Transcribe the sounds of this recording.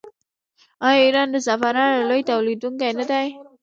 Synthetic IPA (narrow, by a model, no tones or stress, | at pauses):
ajiɾɑnd̪əzafaɾɑalojt̪awlid̪uŋkajnad̪aj